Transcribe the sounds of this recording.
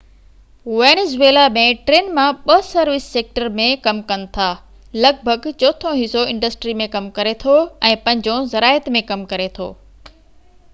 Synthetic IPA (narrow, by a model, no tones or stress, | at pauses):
ʋeːñːzeːlamẽʈɾeːnmãɓɐsɐɾʋɪsːeːk̚ʈəɾmẽkɐmkɐnɪ̆t̪ʰaː | lɐɡ̚bʱəɡt͡ɕɔːt̪ʰõɦɪsoɪ̃ɳɖəsʈɾimẽkɐmkɐɾet̪ʰoɛ̃ːpɐ̃ɦɪ̃ɲd͡ʑõzɐɾaːɪət̪mẽkɐmkɐɾet̪ʰo̰ː